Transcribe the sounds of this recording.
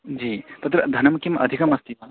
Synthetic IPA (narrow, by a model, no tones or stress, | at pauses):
d͡ʒiːt̪ɐt̪ɾɐd̪ʱɐnɐmkimɐ̰d̪ʱikɐmɐst̪imɐ